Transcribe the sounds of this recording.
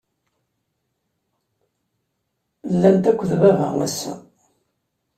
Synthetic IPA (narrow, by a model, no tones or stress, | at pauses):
lːænt̪ækʷːəðvævə̰ʁæ̰sːæ̰